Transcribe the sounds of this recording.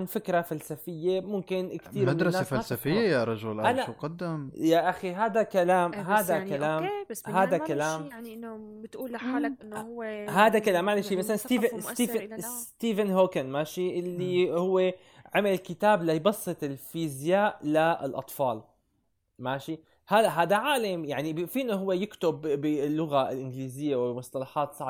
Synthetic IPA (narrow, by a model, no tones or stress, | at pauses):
nfɪkɾafalsafɪjːemʊmkɪnkt̪iːɾmamd̪ɾˤɑnːsafaːsafɪjːajaɾˤɑʒʊlʔaʔanaqɑd̪ːɪmjaʔaxiɦaːd̪akalaːmɦaːd̪akalaːmɦaːd̪akalaːm | t̪ʔː | ɦaːd̪akalaːmːaʕlaʃiːmasalanst̪iːt̪iːst̪iːvɪnɦoːkanmaːʃiʔɪlːihʊwːe | ʕamalkɪt̪aːblajbɑsˤːɨt̪ˤɪlfiːzjaːʔla̰lʔɑ̰t̪ˤfɑːl | maːʃi | halaʔɦaːd̪aʕaːlamjaʕnifiːnaɦʊwːejɪkt̪ʊbɪlːʊɣaɪ̰lʔɪnɡliːzɪjːawɪmʊsˤt̪ˤɑlɑħɑːt̪sˤɑʕ